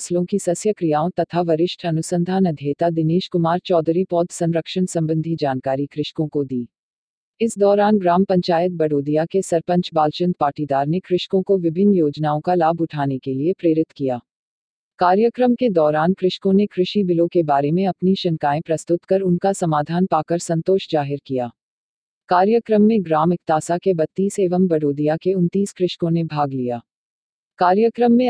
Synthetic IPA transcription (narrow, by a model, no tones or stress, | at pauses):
slõkisɐsjəkɾijaːõt̪ɐt̪ʰaʋɐɾɪʃʈʰɐnʊsə̃nd̪ʱaːnɐd̪ʱjeːt̪ad̪ɪneːʃkʊmaːɾt͡ʃɔːd̪ɾipɔːd̪sɐ̃nɾəkʃənsɐ̃mbə̃nd̪ʱid͡ʒaːnkaːɾikɾɪʃkõkod̪iː | ɪsd̪ɔːɾaːnɡɾaːmpɐ̃ɲt͡ʃaːjət̪̚bɐɽoːd̪ijakesɐɾpə̃ɲt͡ʃbaːlt͡ʃə̃nt̪̚paːʈid̪aːɾnekɾɪʃkõkoʋɪbʱɪnːjoːd͡ʒnaːõkalaːbʱʊʈʰaːnekeliepɾeːɾɪt̪kijaː | kaːɾjəkɾəmked̪ɔːɾaːnkɾɪʃkõnekɾɪʃibɪlõkebaːɾemẽɐpniʃɐ̃ŋkaːẽpɾɐst̪ʊt̪kɐɾʊnkasɐmaːd̪ʱaːnpaːkəɾsɐ̃nt̪oːʃd͡ʒaːɦɪɾkijaː | kaːɾjəkɾəmːẽɡɾaːmɪkt̪aːsakebɐt̪ːiːseːʋəmbɐɽoːd̪ijakeʊnt̪iːskɾɪʃkõnebʱaːɡlijaː | kaːɾjəkɾəmːẽ